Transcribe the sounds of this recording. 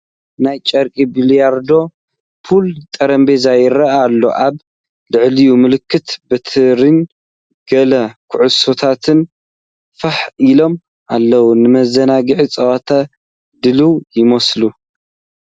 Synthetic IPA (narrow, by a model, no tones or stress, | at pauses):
najt͡ʃʼɐɾkʼibilijaɾd̪o̞ | fʰult̪ʼɐɾɐmbezajɪɾɐʔalːo̞̰ʔaβ | lɨʕlijumɨlɨkʰːɨt̪bɐt̪ʰɨɾin | ɡ̥ɐlɐkʰʊʕʊso̞t̪ʰat̪ʰɨn | faħʔilo̞m | ʔalːɐwunɨmɐzɐnaɡɨʕit͡sʼɐwat̪ʰa | d̪ɨluwjɪmɐslu